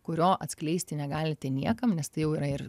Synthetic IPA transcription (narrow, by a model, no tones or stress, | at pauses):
kʊɾʲoːʔɐt̪sʲklʲɛɪsʲt̪ʲɪnʲɛɡɑːlʲɪt̪ʲɛnʲiɛkɐmnʲɛst̪ɐɪjɛʊiːɾɐɪr